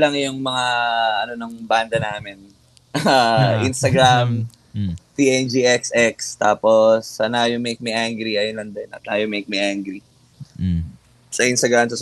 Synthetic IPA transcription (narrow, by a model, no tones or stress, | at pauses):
lɐŋjʊŋmɐŋaʔɐnonɐŋband̪ɐnaːmɪn | aʔinst̪ɐɡɾam | t̪iʔɛnd͡ʒiʔɛksʔɛkst̪aːposːɐnaːjomejk̚miʔaŋɡɾiʔɐjonlɐnd̪ɛnɐ̰t̪̚naːjomejk̚miʔaŋɡɾi | sɐʔinst̪ɐɡɾamsɐs